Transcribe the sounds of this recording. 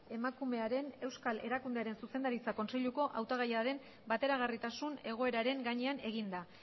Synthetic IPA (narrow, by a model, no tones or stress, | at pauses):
e̞makume̞aɾe̞ne̞wskale̞ɾakund̪eaɾe̞nsuse̞nd̪aɾit͡sako̞nse̞ʎuko̞ʔawt̪aɣajaɾe̞m | bat̪e̞ɾaɣ̞arit̪asune̞ɣ̞o̞e̞ɾaɾe̞ŋɡaɲe̞ane̞ɣ̞ind̪a